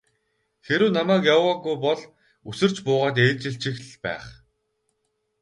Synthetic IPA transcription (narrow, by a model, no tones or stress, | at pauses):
xeɾɘ̆wnamæːkjawaɣujpɔɮ | usɘ̆r̥t͡ɕpʊːʁaːt̪̬eːt͡ɕɪ̆ɬt͡ɕĭxɮpæ̰ːχ